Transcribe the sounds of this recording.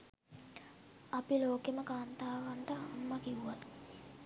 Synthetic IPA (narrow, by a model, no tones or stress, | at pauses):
apiloːkeməkaːnt̪aːʋaɳʈəamːakiuʋat̪